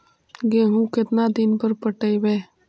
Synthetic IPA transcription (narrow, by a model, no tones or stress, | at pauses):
ɡeːɦũkɪt̪nad̪ɪnpəɾpəʈəjʋeː